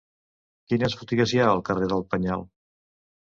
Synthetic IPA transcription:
kinəsfut̪iɣəzjaəlˠkəreðəlˠpəɲalˠ

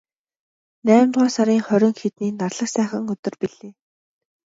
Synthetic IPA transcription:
næːmt̪ʁɔːsaɾiːŋχœɾʲɪ̆ŋxet̪niːnarɮə̆ksæːχə̆ŋɵt̪ɵ̆rpiɮeː

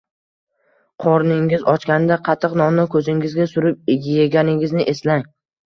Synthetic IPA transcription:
qʰɒɾnɪŋɪzɒt͡ʃkʲanɪd̪aqʰɑt̪ʰːɨqnɒmnɪkʰɵzɪŋɪzɡʲasʊɾɪp̚ɡʲjeɡʲanɪŋɪznɪʔe̞slaŋ

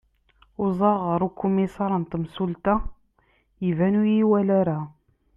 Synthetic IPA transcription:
ʊzˤɑʁəɾˤukːumːisɑɾˤənt̪msult̪a | jivænujiwælæɾæ

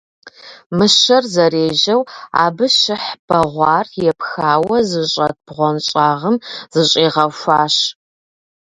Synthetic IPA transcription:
mɨʃɐrzɐreːʒɐwa̰ːbɨʃɪħb̥ɐʁʷɑːrjɛpxaːwɐzɨɕʼɐt̚b̥ʁʷɔnɕʼaːʁəmz̥ɨɕʼiːʁɐfaːʃ

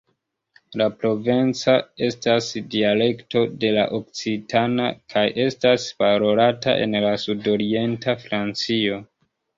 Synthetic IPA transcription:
lapɾo̞vent͡sae̞stasdiale̞kto̞de̞la̰ʔok̚t͡sitʰana̰kʰajʔe̞staspaɾo̞lata̰ʔe̞̰nlasudo̞ɾie̞ntafɾant͡sio̞

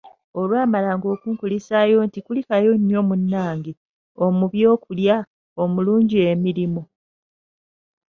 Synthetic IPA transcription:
o̞lwaːmalaːŋɡo̞ːkuːŋkulisaːjo̞ntikulikajo̞ɲːo̞munːaːɲɡi | o̞muβjo̞ːkulja | omuluːɲɟie̞miɾimo

